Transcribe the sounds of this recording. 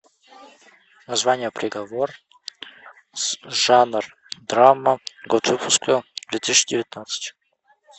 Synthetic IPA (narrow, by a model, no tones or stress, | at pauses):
nɐzvanʲɪjəpɾʲʔɪɡɐvor | sʐanr | d̪ɾamːəɡot̪vɨpʰʊskəd̪vʲet̪iɕʲːɪdʲɪvʲɪt̪nat̪sɨ̥tʲ